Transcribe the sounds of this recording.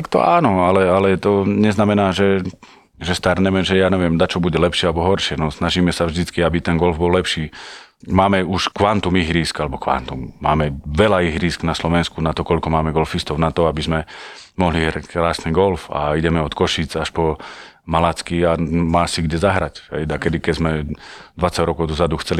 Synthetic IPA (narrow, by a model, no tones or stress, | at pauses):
t̪akt̪ɔ̰aːnɔalɛalɛt̪ɔɲɛznamɛnaːʒɛ | ʒɛst̪aɾɲɛmɛʒɛjaːɲɛʋɪɛmd̪at͡ʃɔbuɟɛlɛpʃɪɛalɛbɔɦɔɾʃɪɛnɔsnaʒiːmɛsavʒd̪it͡skiabit̪ɛnɡɔlvbɔllɛpʃiː | maːmɛuʃkʋant̪umiɦɾiːskalɛbɔkʋa̰nt̪umːa̰ːmɛʋɛlaiɣɾiːsɡnaslɔʋɛnskunat̪ɔkɔʎkɔmaːmɛɡɔlfist̪ɔʊnat̪ɔabizmɛmɔɦliɦɾackɾaːsniːɡɔlfa̰iɟɛmɛɔt̪kɔʃit͡saʃpɔ | malat͡skiamaːsiɡɟɛzaɦɾacɦɛ̰jd̪akɛd̪ikɛzmɛd̪ʋat͡saɟɾɔkɔʊd̪ɔzad̪uxt͡sɛli